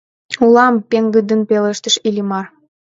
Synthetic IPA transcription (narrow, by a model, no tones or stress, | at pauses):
ulɑmpeŋɡəd̪ə̆npeləʃt̪ə̆ʃilʲimɑr